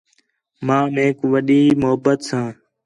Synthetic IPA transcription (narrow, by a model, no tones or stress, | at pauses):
mãːmeːkʋəɗiːmʊɦəbət̪sãː